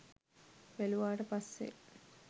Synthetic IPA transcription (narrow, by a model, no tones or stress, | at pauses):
ʋeluʋaːʈəpasːḛ